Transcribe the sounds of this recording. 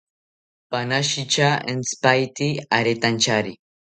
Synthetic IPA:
panaʃit͡ʃaḛnspajt̪iaɾet̪ant͡ʃaɾi

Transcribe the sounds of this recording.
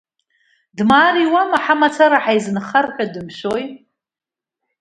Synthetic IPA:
dmaːɾiwamaħamat͡sʰaɾaħajznχarkʼadɨmʃʷoj

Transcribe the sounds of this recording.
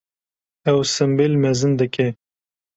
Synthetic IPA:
ɛwsɨmbelmɛzɨnd̪ɨke

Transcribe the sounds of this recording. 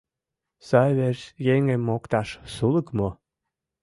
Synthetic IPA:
sɑβeʃjeŋemːokt̪ɑʃsuləkmo

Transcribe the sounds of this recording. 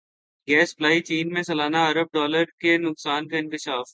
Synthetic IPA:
ɡɛːsplaːit͡ʃiːnmẽsɐlaːnaɐɾəb̚ɖɔːləɾkenʊksaːnkaɪ̃nkɪʃaːf

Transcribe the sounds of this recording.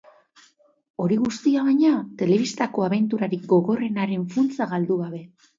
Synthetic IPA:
o̞ɾiɣust̪iaβaɲat̪e̞le̞β̞ist̪ako̞aβe̞nt̪uɾaɾik̚ɡo̞ɣo̞re̞naɾe̞ɱfunt͡saɣald̪uɣaβe̞

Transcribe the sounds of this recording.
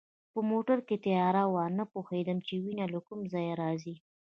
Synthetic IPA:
pəmoʈaɾket̪ɪjɑɾawɑnapoxed̪əmt͡ʃewinalakʊmzɑjaɾɑzi

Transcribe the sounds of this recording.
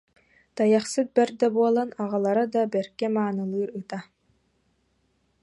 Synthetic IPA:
t̪ajaχsɯt̪̚bɛɾd̪abuɔlˠanaʁalˠaɾad̪abɛɾkɛmaːnɯlˠɯːɾɯt̪a

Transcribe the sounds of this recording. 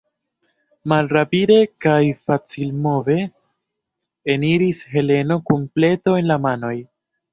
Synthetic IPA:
malɾapide̞kajfat͡silmo̞ve̞ | eniɾishe̞le̞no̞komple̞to̞e̞nlamano̞j

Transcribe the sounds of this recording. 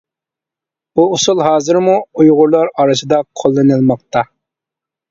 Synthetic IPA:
buːsulˠɦɑːzɨɾmuujʁʊɾlˠɑɾɑɾɨsɨd̪ɑqʰːolˠːɨnɨlˠmɑq̚t̪ɑ

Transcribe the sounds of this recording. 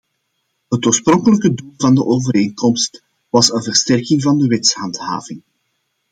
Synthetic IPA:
ɦətoːrsprɔŋkələkədulˠvɑndəʔoːvəɾeːŋkɔmst | ʋɑsənvərstɛrkɪŋvɑndəʋɪtshɑntha̰ːvɪŋ

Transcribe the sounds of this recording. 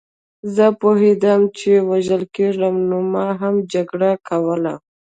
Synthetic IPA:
zəpoɦed̪amt͡ʃewaʒəlkeɾamnomɑɦamd͡ʒaɡɽakawəla

